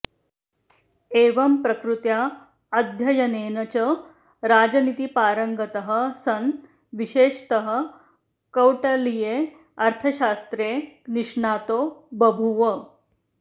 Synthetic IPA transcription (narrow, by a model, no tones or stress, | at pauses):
eːʋɐmpɾɐkɾut̪ja | ɐd̪ʱjɐjɐneːnɐt͡ɕɐ | ɾaːd͡ʑɐnit̪ipaːɾəŋɡɐt̪ɐɦə̆sɐn | ʋiɕeːʂt̪ɐɦə̆ | kɐwʈɐlije | ɐɾt̪ʰɐɕaːst̪ɾeːniʂɳaːt̪oːbɐbʱuʋə